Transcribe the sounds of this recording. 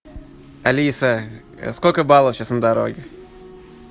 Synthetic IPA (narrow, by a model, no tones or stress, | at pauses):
ɐlʲisə | skolʲkəbalˠəfɕasnəd̪aɾo̰ɡʲɪ